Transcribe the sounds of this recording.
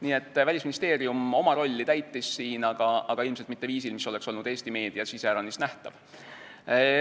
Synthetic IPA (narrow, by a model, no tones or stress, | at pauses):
niːe̞t̪ːvælʲisminist̪e̞ːɾijumo̞mɑɾo̞lʲːit̪æjt̪ːˑisːiːnɑɡ̥ɑɑɡ̥ɑilmselt̪mit̪ːe̞viːsilmiso̞lekso̞lnud̪̥e̞ːsʲt̪ime̞ːd̪̥iɑsiseɾɑnisnæht̪ɑ̰v